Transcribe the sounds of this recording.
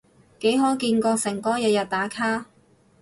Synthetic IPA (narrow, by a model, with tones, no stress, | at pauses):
ke˨˥jɦɔː˨˥kiː˧nkɔː˧sɪ˨˩ŋkɔː˥jɐ˨˧t̚jɐ˨t̚t̪aː˨˥kʰaː˥